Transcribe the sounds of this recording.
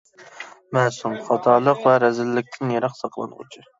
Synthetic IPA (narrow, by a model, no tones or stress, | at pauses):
mɛːsumχɑt̪ʰɑːlˠəqvɛɾɛzɪlːɪk̚ʲt̪ʰɪnjeɾɑqsɑqlˠɑ̰nʁʊ̰t͡ʃʰɨ